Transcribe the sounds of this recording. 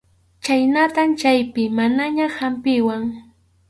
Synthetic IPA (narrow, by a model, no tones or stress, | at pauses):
t͡ʃajnat̪amt͡ʃajpɪmanaɲahampɪwaŋ